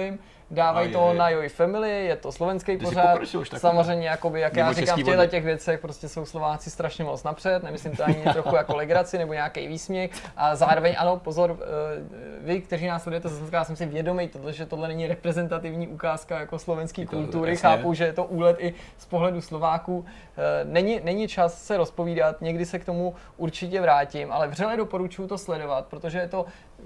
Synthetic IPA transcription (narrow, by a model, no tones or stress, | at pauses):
ɪm | daːvajt̪onajoɪfɛmɪlɪjɛt̪o̞slo̞vɛnskejpozat̪samozzrɛjmɲɛjakobɪjakjaːɾɪkaːmfcɣlɛtcɛɣvjɛt͡sɛxpɾoscɛso̞wslovaːt͡sɪst̪ɾaʃɲɛmot͡snapr̥ɛt̪nɛmɪslɪmt̪oaɲɪt̪ɾoxxujakolɛɡɾat͡sɪnɛbo̞ɲeakḛjviːsmɲɛxʔazaːɾovɛɲʔa̰no̞po̞zoɾ | vɪkt̪ɛɾiːnaːslɛdujɛt̪ɛzɛsɛt̪kajaːsɛmsɪvjɛdo̞mɛjt̪odlɛʒɛt̪odlɛnɛɲɪɾɛpɾɛzɛnt̪at̪ɪvɲiːʔukaːskajakoslovɛnskiːkultt̪uɾɪxaːpuwʒɛjɛt̪o̞ʔuːlɛt̪ɪspo̞ɦlɛduslo̞vaːkuː | nɛɲɪnɛɲɪt͡ʃassɛɾo̞spo̞viːdat̪ɲɛɡdɪsɛkt̪o̞mu | ʔuɾt͡ʃɪcɛvɾaːcɪmʔalɛvrɛlɛdo̞po̞ɾut͡ʃujʊt̪o̞slɛdo̞vat̪̚pɾot̪oʒɛjɛt̪o̞